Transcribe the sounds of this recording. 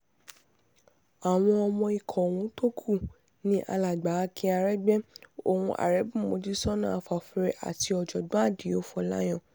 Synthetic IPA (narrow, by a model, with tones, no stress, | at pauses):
a˨w̃ɔ̃˧ɔ˧mɔ̃˧i˨kʰɔ̃˨wũ˨˦to˦kʰu˦˨ | nĩ˦ʔa̰˧la˨ɡ͡ba˨˦˧kʰĩ˧˦a˧ɾɛ˦ɡ͡bɛ˦o˨wũ˧ʔa̰˨ɾɛ˨˦bũ˦˨mõ˨˦d͡ʒi˦sɔ˦nã˦˨a˧fa˨fi˧ɾɛ˧ʔa̰˨ti˧ɔ˨d͡ʒɔ˨dɔ̃˨˦a˦˨di˨jo˨˦fɔ˧la̰˦j̃ɔ̃˦˨